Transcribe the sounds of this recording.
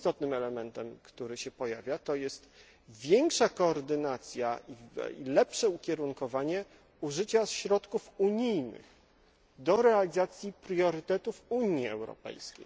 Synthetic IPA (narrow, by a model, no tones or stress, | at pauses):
ist̪ɔt̪nɘmɛlɛmɛnt̪ɛmkt̪uɾɘɕɛpɔjavʲjat̪ɔjɛst̪ | vʲjɛŋkʂakɔːɾd̪ɘnat̪sʲja̰ʔḭḭlɛpʂɛukʲɛɾuŋkɔvaɲɛ | uʐɘt͡ɕasɕɾɔt̪kufuɲijnɘ̰x | d̪ɔɾɛalʲizat̪sʲjipɾjɔɾɘt̪ɛt̪ufuɲiɛ̰wɾɔ̰pɛ̰jskʲḛj